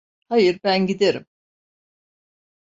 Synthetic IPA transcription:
hajɯɾbænɟid̪eɾim

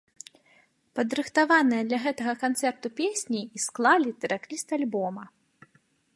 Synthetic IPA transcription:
pɐd̪ɾɨxt̪avanɨjɛd̪lʲɐɣɛt̪ɐɣɐkant̪sɛrt̪upʲesʲnʲiːsklˠalʲit̪ɛɾaklʲist̪alʲbɔmɐ

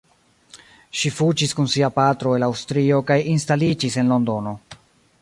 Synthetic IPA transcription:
ʃifud͡ʒiskunsiapatɾo̞e̞lawstɾio̞kajinstalid͡ʒise̞nlo̞ndo̞no̞

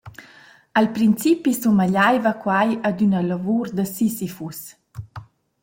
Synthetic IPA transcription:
alpɾint͡sipisumaʎajvakwajad̪ynəlavuɾd̪əsisifus

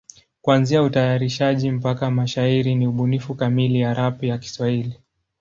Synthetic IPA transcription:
kwanziautajaɾiʃaʄim̩pakamaʃaiɾiniuɓunifukamilijaɾapijaki̥swahili

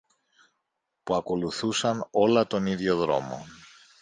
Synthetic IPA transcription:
puɐko̞luθusɐno̞lɐt̪o̞niðʝo̞ðɾo̞̰mo̞̰

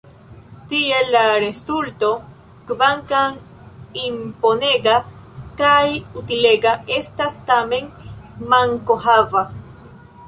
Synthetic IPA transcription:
t̪ielaɾesult̪o | kbaŋkaŋ | imponeɡakajut̪ileɡaʔest̪ast̪ameŋmaŋkoɦava

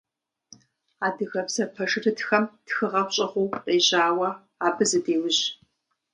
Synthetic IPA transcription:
aːdɨɣɐpsɐpʰɐʂɨrɨtxɐmtxɨʁɐχʷɕʼɐʁʷʊwqeːʑaːwɐ | aːbɨzɨdeːwʊʑ

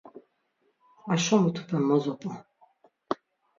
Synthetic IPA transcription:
aʃɔmut̪ʰu̥pʰʼɛmːɔzɔpʼɔ

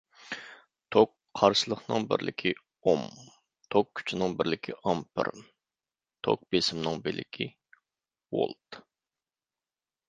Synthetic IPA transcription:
t̪ʰok | qʰɑɾʃəlˠəχnɨŋbɪ̰ɾlʔɪkʲʰi | om | t̪ʰokʲʰːy̥t͡ʃʰinɪŋbɪɾlɪkʲʰiʔɑmpʰɨ̰ɾ | t̪ʰo̰k̚besɪmnɪŋbɪlʔɪ̰kʲʰi | wo̰lˠt̪

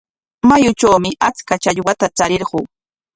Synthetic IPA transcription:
majʊt͡ʃawmɪʔat͡skat͡ʃaʎwat̪at͡saɾɪɾɢʊː

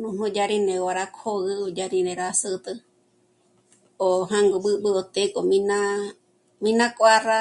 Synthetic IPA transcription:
nũnõd͡ʒaɾinewaɾakʰoɣɨod͡ʒaɾĩneɾasɨt̪ɨ | oɦãŋɡoɓɨɓɨot̪ekomĩna | mĩnãkʼʷara

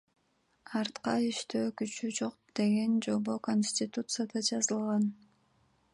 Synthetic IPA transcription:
ɑɾt̪qɑiʃt̪øːkyt͡ʃyd͡ʒo̞qd̪̥e̞ɡe̞nd͡ʒo̞bokonsʲtʲɪt̪ut̪sɨjad̪ɑd͡ʒɑzɯlˠʁɑn

